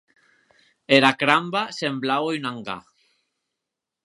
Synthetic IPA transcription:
eɾakɾambasemblawenãŋɡa̰

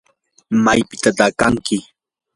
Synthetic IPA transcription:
majpɪ̥t̪at̪akaŋkɪ

